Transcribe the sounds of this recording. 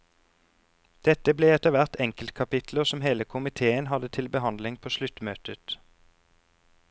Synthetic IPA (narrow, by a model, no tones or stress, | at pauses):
d̪̥ɛt̪əbleːɛt̪əʋæʁt̪ɛŋkəlt̪kʰɑpɪt̪ʰləʁsɔmɦeːləkʰʊmɪt̪ʰeːənɦɑd̪ət̪ʰɪlbəɦɑnd̪lɪŋpʰoːʃlʉt̪møːt̪ət̪